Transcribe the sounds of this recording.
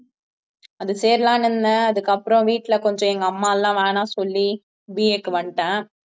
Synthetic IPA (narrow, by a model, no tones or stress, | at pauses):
ɐðɯseːɾlãːnɯnːɐɐðɯkːɐpːɯɾɔ̃ʋiːʈːlɐkɔɲd͡ʒɔ̃ɛŋɡɐːmːaːɛlːãːʋeːnãːsɔlːi | biːeːkːɯʋɐɳʈãː